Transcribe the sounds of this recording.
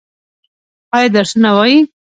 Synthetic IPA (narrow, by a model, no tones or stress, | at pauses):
ɑjɑd̪aɾʂnawaji